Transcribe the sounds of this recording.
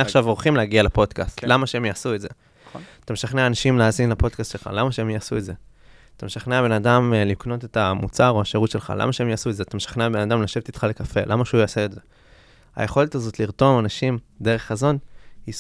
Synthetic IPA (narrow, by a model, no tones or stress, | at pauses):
aχʃavoʁχimleaɡialapo̞dkast̪lamaʃeemjaːsuetze | at̪ameʃaχneaːnaʃimleazinlapo̞dkast̪ʃelχa̰lamaʃeemjaasuetze̞ | at̪ameʃaχneabe̞nadamlikno̞te̞tamut͡saʁo̞aʃeʁutʃe̞lχa̰la̰maʃeemjaːsuedzeat̪ameʃḁχneabe̞nadamlaʃevtit̪χale̞kafe̞lamaʃeujaseːze̞ | a̰je̞χo̞letazo̞tliʁto̞manaʃimde̞ʁ̞e̞χazo̞nhi